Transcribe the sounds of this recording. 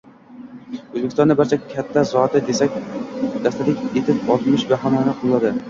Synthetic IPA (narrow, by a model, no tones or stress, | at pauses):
ɵzbekʲɪ̥sɔnabaɾt͡ʃʰɛkʲʰːat̪ʰːasɒat̪ɪd̪esak̚ʲd̪̥ast̪atlɪkʲet̪ʰɪpɒt̪mɪʃvaɦamɒnaqʰɨlˠɨlˠad̪ɪ